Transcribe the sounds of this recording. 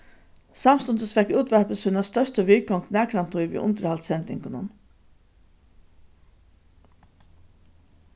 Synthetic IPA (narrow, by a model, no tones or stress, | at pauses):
sɑmst̪ɔnd̪əsfɛkʉːt̪ʋæɹpəshʉːnast̪œʂt̪əʋiːɡɔŋt̪næːkɾant̪ʰɔʏʋḭːʔʊ̰nt̪əɾhalt̪sɛnt̪nɪŋkənə̰n